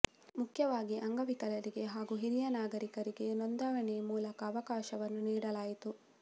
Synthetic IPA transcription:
mukʰjɐʋaːɡiʔɐŋɡɐʋikɐlɐɾiɡe̞ɦaːɡuɦiɾijɐnaːɡɐɾikɐɾiɡe̞nond̪aːʋɐɳɛmuːlɐkɐːʋɐkaːʃɐʋɐnːuniːɽɐlaːjit̪u

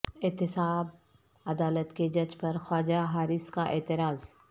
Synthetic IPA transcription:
ɪːt̪ɪsaːb | ɐd̪aːlət̪ked͡ʒɐd͡ʒpɐɾxaːd͡ʒaɦaːɾɪskaʔeːt̪ɪɾaːz

